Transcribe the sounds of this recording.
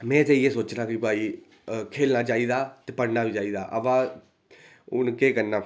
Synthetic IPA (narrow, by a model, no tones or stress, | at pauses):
mɛ̃ːt̪eːiːeːsoːt͡ʃɾãːkipaːiː | kʰeːlnaːt͡ʃaːiːd̪aːt̪eːpəɽnaːʋiːt͡ʃaːiːd̪a̰ːʔəʋãː | ʊ̰nkeːkəɾnaː